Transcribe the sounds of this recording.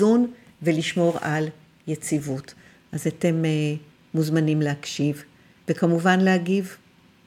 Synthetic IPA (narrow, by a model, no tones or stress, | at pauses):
un | veliʃmo̞ʁal | je̞t͡sivut | ʔazate̞me | muzmanimleakʃiv | vekamuvanlehaɡiv